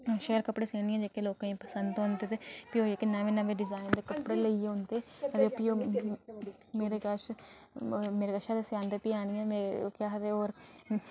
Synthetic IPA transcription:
ʃeːlkəpɽeːsẽːniɛ̃ːd͡ʒeːkeːloːkãːĩːpəsənd̪õːnd̪eːt̪epiːoːd͡ʒeːkenãːʋeːnãʋeːɖɪzaːɪnd̪eːkəpɽeːleieõnd̪eːət̪eːpioː | meːɾeːɡəʃ | meːɾeːɡəʃaːd̪eːsaːnd̪eːpiːaːñijɛ̃ːmekaːɦət̪eːoːɾ

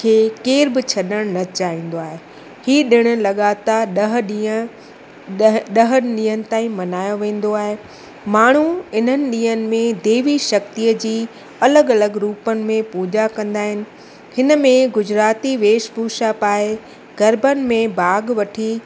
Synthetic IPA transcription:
kʰeːkeːɾbɪt͡ɕʰɐɗəɽ̃nɐt͡ɕaːĩːn̆d̪oaːɦe | hiːɗɪɽ̃ʊ̆lɐɠaːt̪aɗɐɦɗi | ɗɐɦɗĩːɦənɪ̆t̪ãːĩmɐnaːjoʋẽːn̆d̪oaːɦe | maːɳ̤̃uɪn̤ənɪ̆ɗĩːɦənɪ̆mẽd̪eːʋiʃɐkt̪ijəd͡ʑiː | ɐləɡɐləɡɾuːpənɪ̆mẽpuːd͡ʑakɐ̃nd̪aːɦɪnɪ̆ | hɪnə̆mẽɡʊd͡ʑɾaːt̪iʋeːʃbʱuːʃapaːe | ɡɐɾbənɪ̆mẽbaːɡʋɐʈʰi

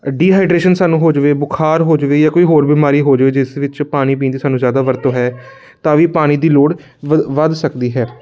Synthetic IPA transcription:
ɖiːɦaːɪɖɾeːʃənsaːnũːɦoːd͡ʒʋeːbʊkʰaːɾɦoːd͡ʒʋeːjaːkoːiːɦoːɾbiːmaːɾiːɦoːd͡ʒʋeːd͡ʒɪsʋɪt͡ʃpaːɽ̃iːp̬iːnd̪iːsaːnũːzjaːd̪aːʋəɾt̪õːɦɛː | t̪ãːʋiːpaːɽ̃iːd̪iːloːɽ | ʋəd̪səkd̪iːɦɛː

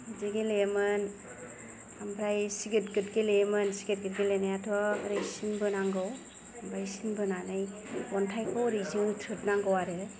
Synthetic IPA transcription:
ziɡelemɯn | ambʰɾajsiɡɯt̚ɡɯtɡelejmɯnsiɡet̚ɡɯt̚ɡelenajatʰɔɾajsinbɯnaŋɡɯw | ambʰɾajsinbɯnanɯj | ɔntʰajkʰɔɾizitʰɯt̚naŋɡɯwaɾɯ

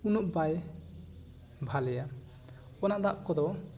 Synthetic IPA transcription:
unuʔbaj | bʱalɛja | ɔnad̪aʔkɔd̪ɔ

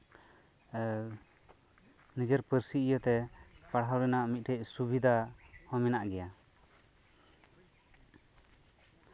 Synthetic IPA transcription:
nid͡ʒəɾpəɾsiijət̪ɛpaɽɦawɾɛnaʔmit̪̚ʈʰɛc̚subid̪ʱahɔ̃mɛnaʔɡɛja

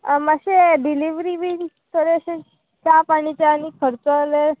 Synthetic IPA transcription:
maɕeɖiliʋɾiʋiɾ | t̪əɾeəɕe | t͡ɕjapaɽ̃it͡ɕeanikʰəɾt͡səle

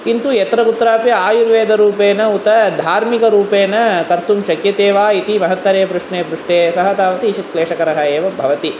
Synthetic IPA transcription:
kint̪ujɛt̪ɾɐɡut̪ːɾaːpjɐaːjuɾʋeːd̪ɐɾuːpeːnɐut̪ɐd̪ʱaːɾmikɐɾuːpeːnɐkɐɾt̪umʃɐkjɐt̪eːʋaːit̪imɐɦɐt̪ːɐɾeːpɾuʂɳeːpɾuʂʈeːsɐɦɐt̪aːʋɐt̪iʃit̪̚kleːʂɐkɐɾɐɦɐeːʋɐbʱɐʋɐt̪i

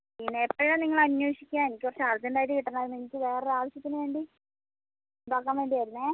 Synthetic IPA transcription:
inːeːpːɐɻɐniŋːɐɭɐnjoːʂikʲːaːnenikʲːprɐt͡ɕːeaːlt̪indaːjit̪ɨkiʈːɐnːaːɾmenikʲːɨʋe̞ːreaːʋɐɕjɐt̪ːinɨʋe̞ːɳɖi | umbaːkːaːnʋe̞ːɳɖijaːjɾunːe

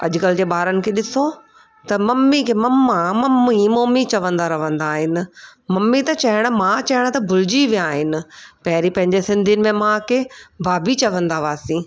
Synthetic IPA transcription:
ɐ̰ʄʊkəld͡ʑeːɓaːɾənɪ̆kʰeːɗɪso | t̪ɐmɐmːikʰeːmɐmːãmɐmːimoːmːit͡ɕɐʋə̃nd̪aɾɐʋə̃nd̪aːɦɪnɪ̆mɐmːit̪ɐt͡ɕɐɦɪɽ̃mãt͡ɕɐɪɽ̃t̪ɐbʱʊlɪd͡ʑiʋijãaːɦɪnɪ̆pɐɦɪɾipɐ̃ɦɪ̃ɲd͡ʑesɪ̃nd̪ʱiənɪ̆mẽmãkebaːbit͡ɕɐʋə̃nd̪aʋaːsĩ

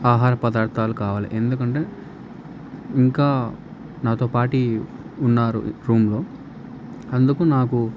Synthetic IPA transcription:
aːɦaːɾɐpɐd̪aːɾt̪aːlukaːʋaːlḭʔend̪ukɐɳʈe̞ː | iŋkaː | naːt̪o̞ːpaːʈiunːaːɾṵɾuːmlo̞ː | ɐnd̪ukunaːku

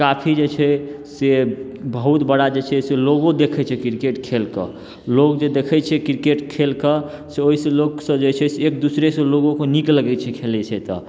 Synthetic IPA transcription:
kapʰid͡ʒet͡ʃʰɛsebəɦut̪bəɽad͡ʒet͡ʃʰɛseloɡod̪ekʰɛt͡ʃʰɛkɾkeʈkʰelkə̰ | lokd͡ʒed̪ekʰɛt͡ʃʰɛkɾikeʈkʰelkə | seoɦisə̃loksə̃d͡ʒet͡ʃʰɛseːk̚d̪usɾesə̃loɡõkenikləɡɛt͡ʃʰɛkʰelɛt͡ʃʰɛt̪ə̰

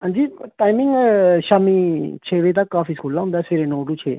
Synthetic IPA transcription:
ɦãːnd͡ʒiːʈaːimɪ̃ŋɡʃaːmiːt͡ʃʰeːʋẽːt̪əkːaːfiːskuːlːaːɦʊ̃nd̪aːseɾeːnoːɖuːt͡ʃʰḛː

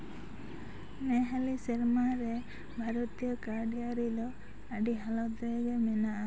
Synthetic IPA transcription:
meɦaliseɾmaɾe | bʱaɾɔt̪ijɔkaɖijaɾilɔ | aɖiɦalɔd̪eɡemenaʔa

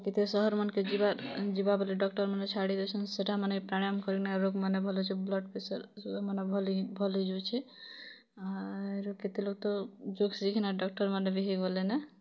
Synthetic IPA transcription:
ket̪esɔɦɔɾmənked͡ʒibad͡ʒibabɔliɖɔkʈəɾmanet͡ʃʰaɽid̪et͡ʃʰɔnseʈamanepɾaɽamkɔɾiknaɾoɡmanebʱɔlot͡ʃʰɛblɔɖ̚pesəɾsumanebʱɔlibʱɔlid͡ʒut͡ʃʰɛ | aeɾoket̪eloɡ̚t̪ɔd͡ʒoɡsikʰnaɖɔk̚ʈəɾmanebiɦiɡɔlenɛ

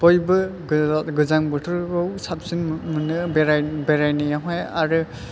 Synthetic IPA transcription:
bɔjbɯ | ɡɯzaŋbɯtʰɔɾɡɯwsap̚sinmɯnɯbeɾajbeɾajnɯjaɦaja̰ɾɯ

